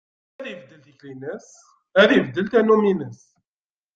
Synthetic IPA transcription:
æðivd̪ːəlθəçlinəs | æðivd̪ːəlt̪ænːuminəs

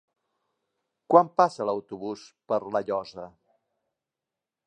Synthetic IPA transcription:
kwampasələwt̪uβuspəɾləʎɔzə

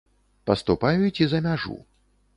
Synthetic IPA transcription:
pɐst̪upajut͡sʲizɐmʲaʐṵ

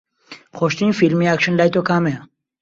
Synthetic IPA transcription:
xoʃt̪infilmiakʃənlajt̪okaːme

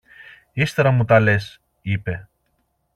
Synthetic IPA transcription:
ist̪e̞ɾɐmut̪ɐle̞s | ipe̞

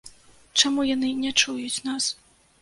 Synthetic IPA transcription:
t͡ʂamujanɨnʲɛt͡ʂujut͡sʲn̪as

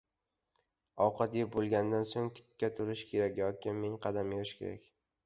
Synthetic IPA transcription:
ɒwqʰɑt̪jbolˠɡʲand̪ansoŋt̪ʰɪ̥kʲːat̪ʰʊɾɪʃkʲʰe̞ɾakʲjɒkʲɪmeŋqʰɑd̪ameɾɪʃkʲʰe̞̰ɾa̰kʲ

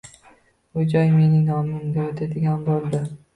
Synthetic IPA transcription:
bʊd͡ʒɒjme̞nɪŋnɒmɪʊmɡʲaot̪ʰad̪ɪɡʲanbolˠd̪ɪ

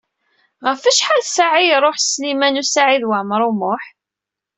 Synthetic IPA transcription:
ʁəfæʃħalsaʕijɾˤoħslimænusaʕiðwəʕmɾˤumʊħ

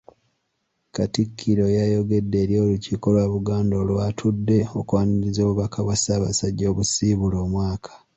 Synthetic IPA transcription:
katikʰːiɾo̞jajo̞ɡe̞dːe̞ːɾjo̞ːluciko̞lwaβuɡaːndoːlwatʰudːe̞o̞kwaːniɾizoːβuβakʰaβwasaːβa̰saɟːo̞ːβusiːβulo̞ːmwaːkʰḁ

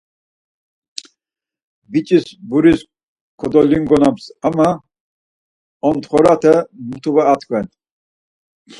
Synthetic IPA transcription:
bit͡ʃʼisbuɾis | kʰɔd̪ɔliŋɡɔnamsama | ɔnt̪χɔɾat̪ʰɛmut̪ʰuvaːt̪ʰkʰvɛn

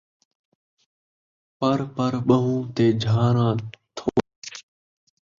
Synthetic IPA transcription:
pəɾpəɾɓəɦũːt̪eːd͡ʒʱaːɾãːt̪ʰoː

